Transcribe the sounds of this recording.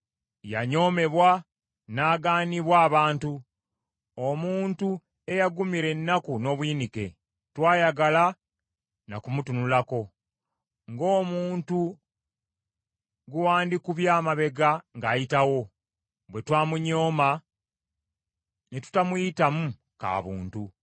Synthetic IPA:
ja̰ɲo̞ːme̞βwa | naːɡaːniβwaːβaːntu | omuːntu | e̞jaɡumiɾe̞nːakuno̞βwiːnike̞̰ | twaːjaɡala | na̰kumutunulako̞ | ŋɡo̞ːmuːntu | ɡuwaːndikuβjaːmaβe̞ɡaŋɡaːjitawo̞ | βwe̞twaːmuɲo̞ːma | netu̥tamujitamu | ka̰ːβṵːntu

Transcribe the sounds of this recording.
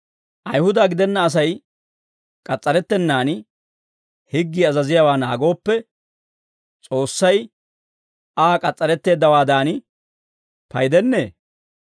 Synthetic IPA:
ʔɐjhʊd̪aːɡɪd̪ɛnːɐːs̬ɐj | kʼɐt͡sʼːɐɾɛt̪ːɛnːaːn | hɪɡːiːɐzɐzɪjawaːnaːɡo̞ːpːɛ | t͡sʼo̞ːsːɐj | aːkʼɐt͡sʼːɐɾɛt̪ːe̞ːd̪ːɐwaːd̪aːn | pɐjd̪ɛnːeː

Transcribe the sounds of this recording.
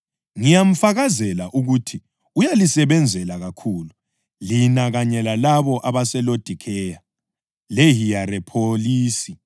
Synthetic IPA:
ŋijam̩faɣazɛlaʔuɣutʰi | ujalisɛβɛnd͡zʱɛlaɣakʰuːlu | linaɣaɲɛlalaβɔʔaβasɛlod̥ʱikʰɛja | leɦijaɾɛpʰoliːsi

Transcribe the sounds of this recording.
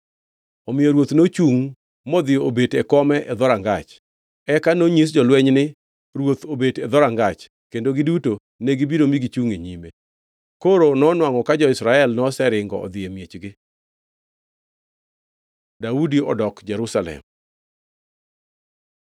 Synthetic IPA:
ɔmɪjoɾwot̪not͡ʃuŋ | mɔd̪ɪjoobetɛkɔmɛʔɛd̪ɔɾaŋɡat͡ʃ | ɛkanoɲis̬d͡ʒɔlwɛɲnɪ | ɾwot̪obedɛd̪ɔɾaŋɡat͡ʃ | kendoɡɪduto | neɡibiɾomiɡit͡ʃuŋeɲime | koɾonɔnwaŋɔkad͡ʒɔɪsɾaɛlnɔsɛɾɪŋɡɔ̰ɔ̰d̪ɪemjet͡ʃɡɪ | daudiɔ̰dɔkd͡ʒɛɾusalɛ̰m

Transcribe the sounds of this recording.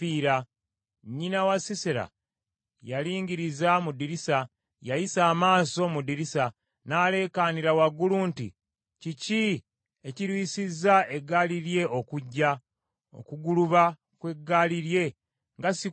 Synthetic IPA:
iːɾa | ɲːinawasiseɾa̰ | jaliːɲɟiɾizamudiɾisa | jajisaːmaːso̞mudiɾisa | naːle̞ːkaniɾawaɡːuluːntḭ | cici | eciɾwiːsizːaeɡːaːliɾje̞o̞kuɟːa | o̰kuɡuluβa | kwe̞ɡːaliɾje̞ | ŋɡasi

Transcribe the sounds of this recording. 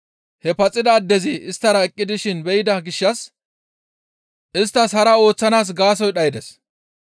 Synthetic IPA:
hɛpɐt͡sʼːɪd̪ɐːd̪ːɛzɪɪst̪ːɐɾɐɛkʼːɪd̪ɪʃɪnbɛjɪd̪ɐɡɪʃːɐs | ʔɪst̪ːɐshɐɾɐo̞ːt͡sːɐnaːs̬ɡaːs̬ɔjɗɐjɪd̪ɛs

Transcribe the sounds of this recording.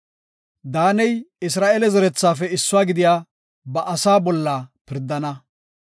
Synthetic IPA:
d̪aːnɛjɪs̬ɾaːʔelɛzɛɾɛt͡sːaːfɛɪsːʊaːɡɪd̪ɪjaː | bɐʔɐsaːbɔlːapɪɾd̪ːɐnɐ

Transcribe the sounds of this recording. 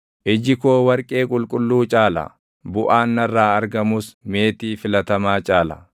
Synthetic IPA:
ʔɪd͡ʒɪkoːwɐɾkʼe̞ːkʼʊlkʼʊlːuːt͡ʃʼaːlɐ̰ | bʊʔaːnːɐrːaːɐɾɡɐmʊsme̞ːt̪iːfɪlɐt̪ɐmaːt͡ʃʼaːlɐ̰

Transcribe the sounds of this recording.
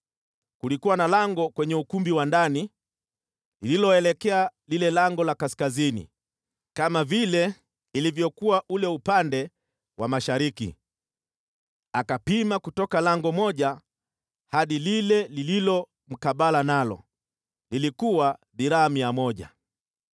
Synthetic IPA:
kulikuwanalaŋɡɔkwɛɲɛukumbiwandani | lililɔɛlɛkɛalilɛlaŋɡɔlakaskazinḭ | kamavilɛ | ilivjɔkuwaʔulɛupandɛ | wamaʃaɾikḭ | akapimakutɔkalaŋɡɔmɔʄa | haɗililɛlililɔ | m̩kaɓalanalɔ̰ | lilikuwaɗiɾaamiamɔʄa̰

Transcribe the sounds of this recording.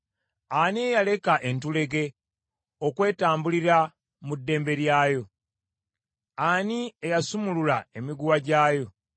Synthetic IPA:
aniejale̞kaʔe̞ntule̞ɡe̞ | okwe̞ːtaːmbuliɾa | mudːe̞ːmbe̞ɾjaːjo̞ | aniejasumululae̞miɡuwaɟaːjo̞

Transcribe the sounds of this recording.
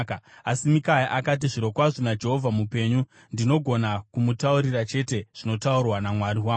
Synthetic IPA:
kasimikajaʔakat̬iʐiɾo̞kwaʐinad͡ʒe̞ɦo̞vʱamupe̞ɲu | ndino̞ɡʱo̞nakumutauɾirat͡ʃe̞te̞ʐ̥ino̞taurwanamwaɾiwaː

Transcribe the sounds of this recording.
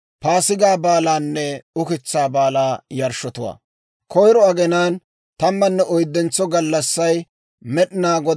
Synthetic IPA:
paːsɪɡaːbaːlaːnːɛʊkɪt͡sːaːbaːlaːjɐɾʃɔt̪ʊwa̰ː | kʰɔjɾɔɐɡɛnaːn | t̪ɐmːɐnːɛʔɔjd̪ːɛnt͡sːɔɡɐlːɐsːɐj | mɛɗɪnaːɡɔ

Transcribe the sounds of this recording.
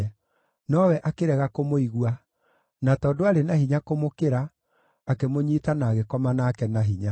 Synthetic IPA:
nɔwɛʔakeɾɛɣakomoiɣwa | natɔːdoaɾenahiɲakomokeɾaː | kemoɲiːtanaːɣekɔmanaːkɛnaɦiɲa

